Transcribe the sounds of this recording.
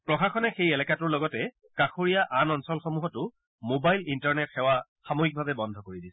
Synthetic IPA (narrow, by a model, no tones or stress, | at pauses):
pɹɔxaxʰɔnɛxejɛlɛkatʊɹlɔɡɔtɛ | kaxoɹijaʔanɔnsɔlxɔmuɦɔtʊ | mobajlintɔɹnɛtxɛwa | xamoxik̚bʱabɛbɔndʱɔkoɹidisɛ